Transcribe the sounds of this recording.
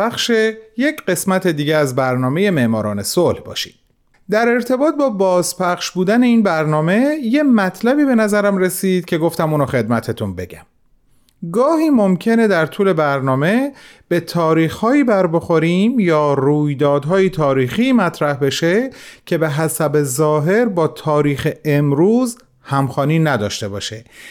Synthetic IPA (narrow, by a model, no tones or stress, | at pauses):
bæxʃeje̞cɢe̞smæt̪ʰe̞d̪iːɟeæzbæɾnɒːme̞je̞me̞ʔmɒːɾɒ̰ːne̞solhbɒ̰ːʃi̥̰ːd̪̥̚ | d̪æɾe̞ɾt̪ʰe̞bɒːt̪̚bɒːbɒːzpʰæχʃbuːd̪æne̞iːnbæɾnɒːme̞je̞mæt̪ʰlæbiːbe̞næzæɾæmre̞siːd̪̥̚cʰe̞ɡo̞ft̪æmuːnɔxe̞d̪mæt̪ʰet̪ʰunbe̞̰ɟæm | ɡɒːhiːmomcʰe̞ne̞d̪æɾt̪ʰuːle̞bæɾnɒːme̞b̥e̞t̪ʰɒːɾiːxhɒːiːbæɾbo̞xo̞ɾiːmjɒːɾuːjd̪ɒːd̪ɦɒːjet̪ʰɒːɾiːxiːmæt̪ʰɾæhbe̞ʃecʰe̞be̞ɦæsæbe̞zɒːɦe̞ɾbɒːt̪ʰɒːɾiːxe̞emɾuːz | hæmxɒːniːnæd̪ɒ̰ːʃt̪e̞bɒ̰ːʃe